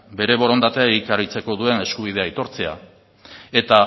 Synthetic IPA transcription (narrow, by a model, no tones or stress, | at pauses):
be̞ɾe̞βo̞ɾo̞nd̪at̪eaikarit͡se̞ko̞ðue̞ne̞skuβ̞ið̞e̞ajt̪o̞ɾt͡se̞a̰ | e̞t̪a